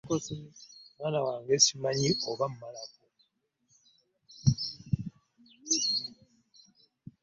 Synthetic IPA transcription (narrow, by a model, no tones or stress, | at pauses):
kosimwaːnawaːŋɡe̞ːsimaɲiʔoβam̩malako